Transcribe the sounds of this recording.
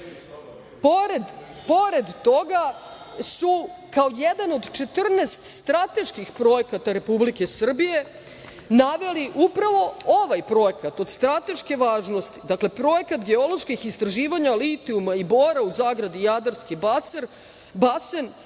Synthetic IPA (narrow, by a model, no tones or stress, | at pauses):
poɾed̪po̞ɾe̞d̪t̪o̞ɡa | sukaojed̪ano̞d̪t͡ʃe̞t̪r̩neːst̪st̪ɾat̪e̞ʃkixpɾo̞jekat̪aɾe̞publike̞sr̩bije̞ | naʋe̞liʔupɾaʋo̞oʋajpɾo̞jekat̪o̞d̪st̪ɾat̪e̞ʃke̞ʋaːʒno̞st̪i̥d̪akle̞pɾo̞jekat̪ɡe̞o̞lo̞ʃkixist̪ɾaʒiːʋaɲalit̪iumaiboːɾauzaːɡɾad̪ijad̪aɾskibaseɾ | basen